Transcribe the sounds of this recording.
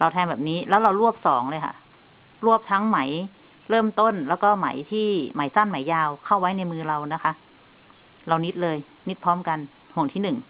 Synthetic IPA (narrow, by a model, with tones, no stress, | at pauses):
ɾa˧wt̪ʰɛː˧nbɛː˨˩p̚niː˦˥lɛː˦˥wɾa˧wɾu˥˩əp̚sɔː˩˦ŋlɤː˧jkʰa̰˧˩ | ɾu˥˩əp̚t̪ʰa˦˥ŋma˩˦j | ɾɤː˥˩mt̪o˥˩˨nlɛː˦˥wkɔː˥˩ma̰˨˩˦jt̪ʰiː˥˩ma˩˦jsa˧˥˩nma˨˩˦jaː˧wkʰa˥˩wːa˦˥jna˧jmɯː˧ɾa˧wna˦˥kʰa˦˥ʔ | ɾa˧wni˦˥t̪̚lɤː˧j | ni˦˥t̪̚pʰɔː˦˥mka˧n | ho˨˩ŋt̪ʰiː˥˩nɯ˨˩ŋ